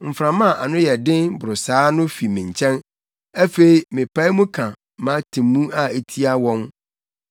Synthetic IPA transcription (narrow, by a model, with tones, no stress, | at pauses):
m̩˨fɾã˨mã˦˨ʔa˨nʊ̃˦jɛ˨dɪ̃˦nbʊ˨ɾʊ˨saː˨˦nʊ̃˦fi˨mĩ˨ɲ̩˨t͡ɕʰɛ̃˦n | æ˦fe˨i˨mɪ̃˨pʰa˦i˦mũ˦kʰã˨ | mã˦tʰĩ˨mũ˦a˦e˨tʰi˦a˦wɔ̃˦n